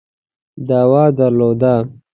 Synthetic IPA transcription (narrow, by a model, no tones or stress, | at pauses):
d̪awɑːd̪aɾloːd̪a